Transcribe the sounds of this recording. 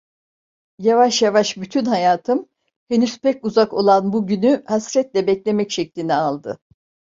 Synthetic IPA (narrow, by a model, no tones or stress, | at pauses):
javaʃjavaʃbyt̪ʰynɦajaːt̪ʰɯm | henyz̥pɛcuzako̞lˠanbuɟynyhasɾɛt̪lʲɛbɛclʲe̞mɛcʃɛclʲinɛalˠd̪ɯ